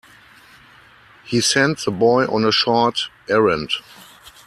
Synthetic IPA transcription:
hiːsɛ̃ntðəbɔɪʔɔ̰̃nəʃɔtʔɛɹə̃nt

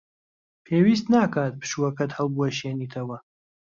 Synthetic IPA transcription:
pʰeːwiːst̪naːkaːt̪̚pɨ̥ʃuɐkɐt̪hɐlˠbuɐʃeːniːt̪ʰɐwɐ

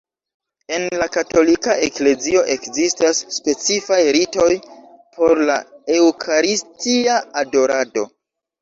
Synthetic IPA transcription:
e̞nlakato̞likaʔekle̞zio̞ʔe̞kzistasːpe̞t͡sifajɾito̞j | pʰo̞ɾlae̞wkʰaɾistiaado̞ɾado̞

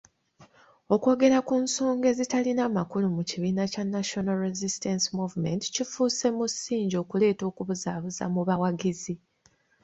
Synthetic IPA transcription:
o̞kwo̞ːɡe̞ɾakunso̞ːŋɡe̞zitalinamakulumuciβiːnacanːaʃonalɾezistensimuvme̞nti̥cifuːse̞musiːɲɟo̞ːkule̞ːto̞ːkuβuzaːβuza̰muβawaɡizi

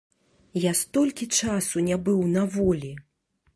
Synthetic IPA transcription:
jast̪ɔlʲkʲit͡ʂasunʲabɨwnɐvɔlʲi

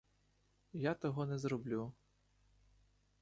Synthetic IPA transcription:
jat̪ɔɦɔnɛzɾɔblʲu

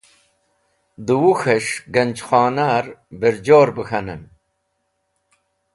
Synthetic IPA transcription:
d̪uwuxɐʂɡɐnʲd͡ʑxaːnaːɾbiɾd͡ʑoːɾbəxɐnɐn

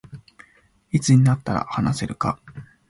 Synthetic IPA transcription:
it͡sɨɲ̟inat̪ːaɾa̰hanase̞ɾɯ̟ka̰

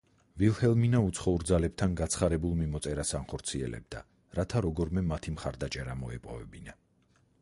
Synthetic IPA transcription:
vilˠhɛlˠminaut̪sʰχɔuɾd̪zalɛp̚t̪ʰanɡat̪sʰχaɾɛbulˠmimɔt̪sʼɛɾasanχɔɾt̪sʰiɛ̰lʔɛ̰b̚d̪a̰ | ɾat̪ʰaɾɔɡɔɾmɛmat̪ʰimχaɾd̪at͡ʃʼɛɾamɔɛpʼɔ̰vɛbina

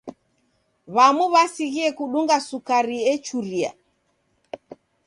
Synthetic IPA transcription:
βamuβasiɣiɛkuɗuŋɡasukaɾiɛt͡ʃuɾia̰

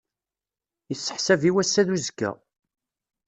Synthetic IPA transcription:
jəsːə̥ħsæviwæsːæðuzɡæ̰

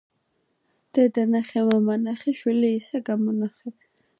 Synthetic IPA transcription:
d̪̥ɛd̪anaχɛmamanaχɛʃwiliːsɛɡamɔnaχɛ

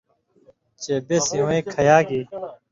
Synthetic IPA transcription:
t͡ɕeːbesĩwɐĩːkʰɐjaːɡiː

